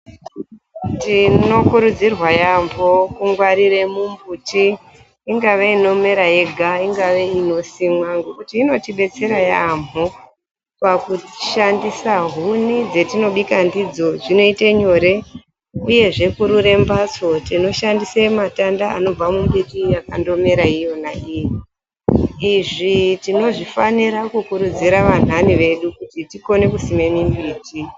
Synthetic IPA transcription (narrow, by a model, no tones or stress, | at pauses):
tino̞kuɾud͡zirwajambokuŋɡwaɾire̞mumbutiː | ŋɡaʋe̞ino̞me̞ɾaje̞ɡʱaiŋɡaʋe̞ino̞simwaŋɡokutiːno̞tiɓe̞t͡se̞ɾajambo | pakuʃandisaɦunid͡ze̞tino̞ɓikandid͡zo̞ʐino̞iteɲo̞ɾe̞ | uje̞ʐe̞kuɾure̞mbat͡so̞tino̞ʃandisematandaa̰no̞b͡vamumbiriakando̞me̞ɾaijo̞naʔiji | iʐitino̞ʐifaniɾakukuɾud͡ziɾaʋan̤aniʋe̞ɗukutitiko̞ne̞kusime̞mimbiːti